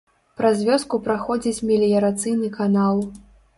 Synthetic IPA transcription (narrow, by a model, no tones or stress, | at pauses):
pɾazʲvʲɔskupɾaxɔd͡zʲit͡sʲmʲɛlʲijɐɾat̪sɨjnɨkanalˠ